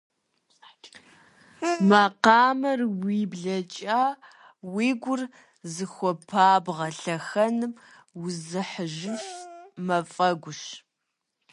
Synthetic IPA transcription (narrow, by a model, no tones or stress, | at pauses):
mɐqɑːmɐrwiːbɮɐt͡ʃʼaː | wiːɡʷʊr | zɨxʷɔpʰaːbʁɐɬɐxɐnɨmwʊzɨħəʒɪfmɐfʼɐɡʷʊʃ